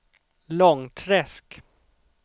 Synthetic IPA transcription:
lɔŋt̪ʰɾɛsk

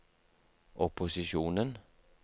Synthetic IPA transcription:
ʔɔpʊsɪʃuːnən

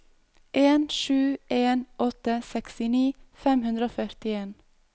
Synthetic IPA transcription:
ʔeːnʃʉːʔeːnɔt̪əsɛkst̪ɪniːfɛmhʉnd̪ɾəoːfœɾt̪ɪeːn

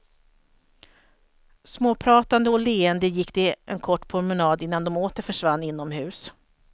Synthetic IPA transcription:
smoːpʰɾɑːt̪and̪əɔleːɛnd̪əjɪkːd̪ɛʔɛ̰nkʰɔʈːpʰɾʊɾmɛnɑːd̪ɪn̪ːand̪ɔmoːt̪əɾfœʂvanːɪn̪ːɔmhʉ̟ːs

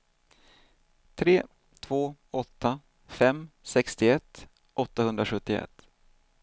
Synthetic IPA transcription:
t̪ʰɾeː | t̪ʰv̥oːɔt̪ːa | fɛmsɛkst̪ɪɛt̪ː | ʔɔt̪ːahɵnd̪ɾaɧɵt̪ːɪɛ̰t̪ː

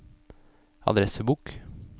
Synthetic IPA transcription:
ɑ̰d̪ɾɛsəbuːk

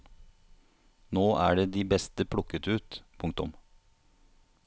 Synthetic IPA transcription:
noːʔæ̰ːɖeːd̪iːbɛst̪əpʰɽʊkət̪ʉːt̪pʰʊŋkt̪ʊ̰m

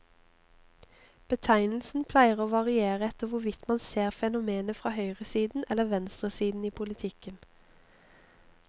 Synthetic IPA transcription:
b̥ət̪ʰæɪnl̩sn̩pʰlæɪəʁoːʋɑʁɪeːʁəɛt̪əʋʊʋɪt̪mɑnseːʁfɛnʊmeːnəfʁɑːhœʏʁəsiːd̪n̩ɛləʋɛnst̪ʁəsiːd̪n̩iːpʰʊlɪt̪ʰɪkən

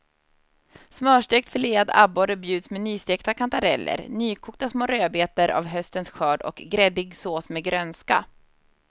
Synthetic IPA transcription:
smœːʂʈek̚t̪fəɭeːad̪a̰bɔɾəbjʉ̟ːd̪smɛnyːst̪eːkt̪akʰant̪aɾɛ̰lːʔə̰ɾnyːkʰuːk̚t̪asmoːɾøːbeːt̪əɾʔa̰vɦœst̪ənsɧœːɖɔ̰kɡɾɛd̪ɪɡsoːsmɛɡɾœnska̰

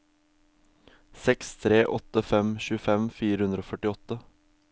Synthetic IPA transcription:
sɛkst̪ʰɾeːʔɔt̪əfɛmʃʉːfɛmfiːɾəhʉnd̪ɾoːfœʈɪɔt̪ə

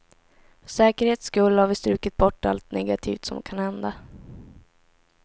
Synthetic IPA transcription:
fsɛːkəɾheːt̪skɵlːhaɾvɪst̪ɾʉ̟ːkɪt̪̚bɔʈːa̰lt̪nɛɡat̪ʰḭːft̪sɔmd̪̰kʰanhɛnd̪a

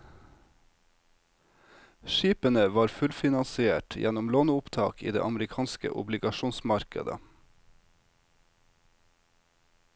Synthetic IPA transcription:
ʃiːpənəʋɑːɾfʉlfɪnɑnsɪeːʈjʔæ̰nʊmloːnəʊpt̪ʰɑ̰ːkʰḭːd̪ḛːʔɑmɾɪkʰɑːnskə̰ʔʊ̰blɪɡɑʃuːnsmɑɾkə̰d̪ə̰

